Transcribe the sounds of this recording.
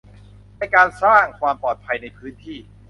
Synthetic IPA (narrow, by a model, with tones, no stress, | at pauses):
na˧jkaː˧nsaː˥˩ŋkʰwaː˧mpɔː˨˩t̪̚pʰa˧jna˧jpʰɯː˦˥nt̪ʰiː˥˩